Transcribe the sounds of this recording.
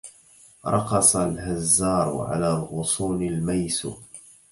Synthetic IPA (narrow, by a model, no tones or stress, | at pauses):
ɾˤɑqɑsˤalhazːɑːɾ̰ˤʕa̰laːlɣʊsˤuːnɪlmajs